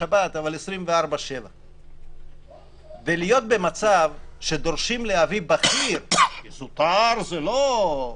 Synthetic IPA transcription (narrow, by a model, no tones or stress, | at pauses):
abat̪avalesɾimveaɾbaʃe̞va | velijo̞t̪̚be̞mat͡savʃed̪o̞ʁʃimleavibaχiɾkizut̪aɾzelo